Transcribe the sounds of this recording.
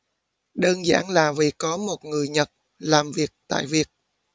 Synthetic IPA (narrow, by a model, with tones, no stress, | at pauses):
ɗəː˧nza̰ː˧˩nlaː˨˩vḭ˨˩kɔ˨˦mo˨˩t̚ŋɨ˨˩əjɲə˨˩t̚ | laː˨˩mvi˨˩ək̚t̪a̰ː˧˨jvi˨˩ək̚